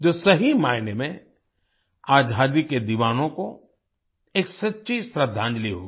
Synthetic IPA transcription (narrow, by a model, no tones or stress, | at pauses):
d͡ʒoːsɐɦimaːɪnemẽ | aːd͡ʒʱaːd̪iked̪iʋaːnõko | eːksɐtːʃisɾəd̪ʱːãːnd͡ʒliɦo̰ːɡ